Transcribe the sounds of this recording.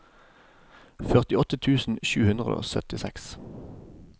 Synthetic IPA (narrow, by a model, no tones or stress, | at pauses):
fœʁt̪ɪɔt̪ət̪ʰʉːsn̩ʃʉːhʉnd̪ʁəd̪o̰ːsœt̪ɪsɛks